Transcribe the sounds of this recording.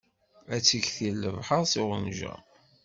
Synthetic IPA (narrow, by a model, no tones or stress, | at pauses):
æt͡sːəçθilːəvħəʁsiʁənʒæ̰